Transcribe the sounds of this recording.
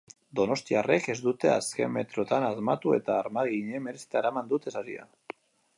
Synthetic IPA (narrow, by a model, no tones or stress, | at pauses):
d̪o̞no̞st̪iare̞ke̞zd̪ut̪e̞a̰ske̞me̞t̪ɾo̞t̪anazmat̪ue̞̰t̪aːɾmaɣiɲe̞me̞ɾesi̥t̪aeɾamand̪ut̪e̞saɾḭa̰